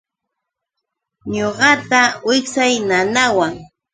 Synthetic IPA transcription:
ɲoɢɑt̪awɪksajnanawaŋ

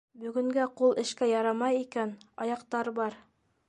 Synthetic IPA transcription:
bɵ̆ɡɵ̆ŋɡæqulˠɘ̆ʃkæjɑɾɑmɑjikænɑjɑqt̪ɑɾbɑɾ

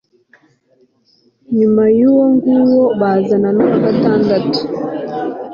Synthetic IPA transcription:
ɲumajuwɔŋɡuwɔɓazananɔkatandatu̥

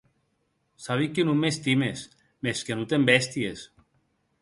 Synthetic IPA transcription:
saβ̞ikːenumest̪imes | meskenut̪embɛst̪ijes

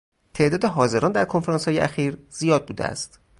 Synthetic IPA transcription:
t̪ʰe̞ʔd̪ɒːd̪eɦɒːze̞ɾɒːnd̪æɾkʰo̞nfeɾɑnshɒːjeʔæxiːɾz̥ijɒːd̪̚buːd̪ḛæ̰st̪

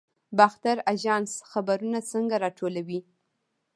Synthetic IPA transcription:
baxt̪aɾaʒɑnsxabaɾunat͡səŋɡaɾɑʈʰolawi

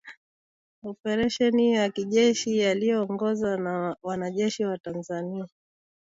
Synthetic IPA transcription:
ɔpɛɾɛʃɛnijakiʄɛʃijalijɔːŋɡɔzanawanaʄɛʃiwatanzania

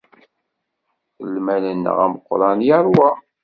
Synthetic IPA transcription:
lmælənːə̰ʁæ̰məqːɾˤɑnjaɾˤwa

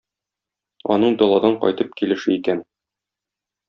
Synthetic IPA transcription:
ɒ̰nɤɴd̪ɒlˠɑd̪ɑɴqɒ̰jt̪ɤp̚kilɘ̆ʃɘikæn

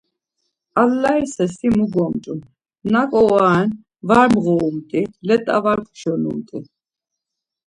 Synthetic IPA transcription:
alːaisɛsimuɡɔmt̪ʼun | nakʼɔaːn | vaɾmʁɔumt̪ʼilɛt̪ʼa̰vaɾkʰʃɔnṵmt̪ʼi

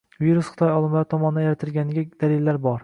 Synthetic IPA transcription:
viɾusχɪ̥t̪ʰɒjɒlˠɪmlaɾɪt̪ʰɒmɒnɪd̪ajaɾat̪ʰɪlɡʲanɪɡʲad̪̥alɪlːaɾbɒɾ

